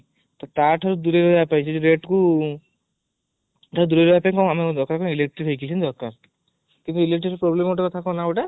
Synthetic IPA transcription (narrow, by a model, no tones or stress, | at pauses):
t̪ɔt̪aʈʰaɾud̪uɾeɾoapajt͡ʃʰid͡ʒeɾeʈku | ʈʰaɾud̪uɾeɾɔbapãkɔ̃amid̪ɔɾkaɾkɔ̃ilek̚ʈɾiɾɦojkit͡ʃʰind̪ɔɾkaɾ | kint̪uilek̚ʈiepɾɔblemoʈakɔt̪ʰakɔ̃naɔʈa